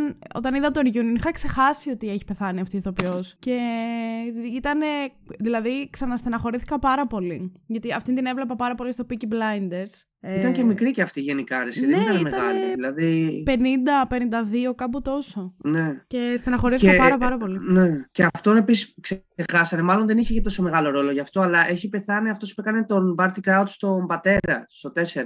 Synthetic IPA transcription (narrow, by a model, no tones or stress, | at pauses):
no̞̰t̪ɐniðɐt̪oɾʝunonixɐkse̞xɐsio̞t̪ieçi̥pe̞θɐniɐft̪iθo̞piosce̞ | it̪ɐne̞ | ðilɐðiksɐnɐst̪enɐxo̞ɾiθikɐpɐɾɐpo̞liʝɐt̪iɐft̪ind̪ine̞vle̞pɐpɐɾɐpo̞list̪o̞piciblɐjnd̪e̞ɾs | eit̪ɐŋcemikɾiceɐft̪iʝe̞nikɐɾesiðenenit̪ɐneimetɐɣɐleiilɐðipe̞nind̪ɐpe̞nind̪ɐðio̞kɐput̪o̞so̞ne̞ce̞st̪enɐxo̞ɾiθiekɐpɾɐpɐɾɐpo̞lineceɐft̪onepisisksexɐsɐnemɐlo̞nðeniçecet̪o̞so̞me̞ɣɐlo̞ɾo̞lo̞ʝɐft̪o̞ɐlɐʔe̞çipe̞θɐniɐft̪o̞spuekɐne̞t̪o̞nbɐɾt̪ikɾɐud̪st̪o̞mbɐt̪e̞ɾɐst̪o̞t̪e̞se̞ɾɐ